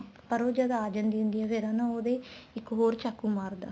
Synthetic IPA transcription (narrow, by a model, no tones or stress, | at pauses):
pəɾoːd͡ʒəːd̪aaːd͡ʒənd̪iːɦʊ̃nd̪iːɛːfeːɾãːnãːoːd̪eːɪkɦoːɾt͡ʃaːkːuːmaːɾd̪a̰ː